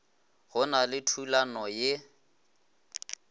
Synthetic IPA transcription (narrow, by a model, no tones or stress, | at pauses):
ɣʊnalɪtʰulanɔjɪ